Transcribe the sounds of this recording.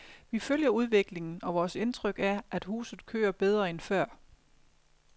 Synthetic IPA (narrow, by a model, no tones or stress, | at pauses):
ʋiføljɐuð̞ˠʋe̝ɡ̥le̝ŋn̩ɒ̽ʋɒːse̝nt͡sʰʁœɡ̥æɐʔæd̥hṵːsð̩ˠkʰø̰ːɐb̥eð̞ˠʁɐenfɶɐ̰